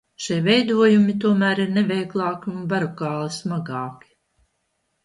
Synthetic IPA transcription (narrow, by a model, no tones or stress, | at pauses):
ʃiɛvɛjd̪uɔjumʲit̪uɔmæːɾiɾnɛvʲɛjɡlˠɑːkiunbaɾɔkɑːlˠismaɡɑːki̥